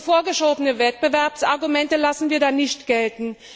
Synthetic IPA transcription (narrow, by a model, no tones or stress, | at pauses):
foːɐɡəʃoːbənəvɛt̚b̥əvɛɐpsʔaɐɡumɛntəlasn̩viːɐdaːnɪçtɡ̥ɛltn̩